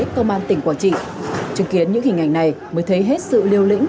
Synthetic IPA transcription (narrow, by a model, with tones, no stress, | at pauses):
kə˧wŋ͡mʔaː˧nt̪ï˨˩ŋ̟kwaː˧˩nt͡ɕḭ˧˨t͡ɕɨ˨˦ŋki˨˦ənɲɨ̰˧˥ŋhï˨˩ŋ̟ʔa˧˩jŋ̟na˨˩j | məː˨˦jt̪ʰə˨˦jɦe˦˥t̚sɨ̰˧˨li˧əwlḭ̈˧˥ŋ̟